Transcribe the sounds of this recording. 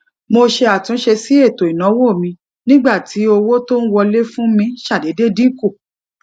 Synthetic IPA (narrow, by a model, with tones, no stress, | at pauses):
mo˧ʃe˧a˨tũ˨˦ʃe˧si˦e˦˨to˨i˨nã˨˦wo˦˨mĩ˧ | nĩ˦ɡ͡ba˦˨ti˨˦o˧wo˦to˦n̩˦wɔ˧le˦fũ˦mĩ˧ʃa˦˨de˨˦de˦dĩ˦ko˦˨